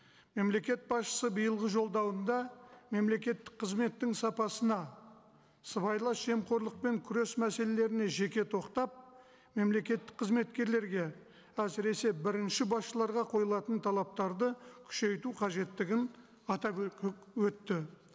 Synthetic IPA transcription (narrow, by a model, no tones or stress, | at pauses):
me̞mle̞kʲe̞t̪̚bɑsʃə̥səbəjəlˠʁəʒo̞lˠd̪ɑwənd̪ɑme̞mle̞kʲe̞t̪ːɪ̥k̚qʰəzme̞t̪ːɪŋsɑpɑsənɑ | səβɑjlˠɑʒe̞mqo̞ɾlˠəq̚pe̞ŋkʲʰʏɾe̞smæse̞le̞le̞ɾɪne̞ʒe̞kʲe̞t̪ʰo̞qt̪ɑp̚ | me̞mle̞kʲe̞t̪ːɪ̥k̚qʰəzme̞t̪kʲe̞ɾle̞ɾɡʲe̞ | æsɪɾe̞se̞bɪɾɪnʃɪbɑsʃəlˠɑɾʁɑqʰo̞jəlˠɑt̪ənt̪ʰɑlˠɑp̚t̪ɑɾd̪əkʲʰʏ̥ʃe̞jt̪uqʰɑʒe̞t̪ːɪɡʲɪn | ɑt̪ɑpwɵt̪ːɪ